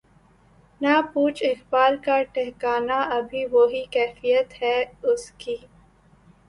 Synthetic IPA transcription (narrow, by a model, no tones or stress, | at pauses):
napuːt͡ʃɪxbaːlkaʈɛɦkaːnaʔɐbʱiʋoɦikɛːfijət̪hɛʊskiː